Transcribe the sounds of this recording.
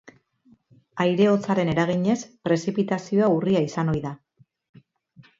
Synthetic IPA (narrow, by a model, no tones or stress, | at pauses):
ajɾe̞o̞t͡saɾe̞ne̞ɾaɣ̞iɲe̞spɾe̞sipit̪asio̞auriaisano̞jða